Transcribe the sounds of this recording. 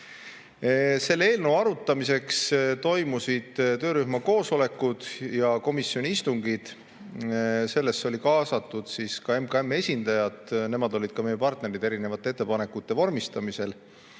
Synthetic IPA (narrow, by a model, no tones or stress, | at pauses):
se̞lːe̞ːlnowɑɾut̪ːˑɑmise̞kst̪o̞jmusid̪̥t̪ø̞ːɾyhmɑko̞ːso̞le̞kːˑud̪̥jɑko̞misjonʲiist̪uŋɡid̪̥ | se̞lːe̞sːo̞lʲikɑːsɑt̪ːˑud̪̥siskɑemkɑe̞mːe̞sʲind̪̥ɑjɑd̪ne̞mɑd̪o̞lʲid̪̥̚kɑmejepɑrt̪ne̞ɾid̪e̞ɾine̞vɑt̪ːˑeet̪ːe̞pɑne̞kːˑut̪ːe̞vo̞rmist̪ɑmise̞l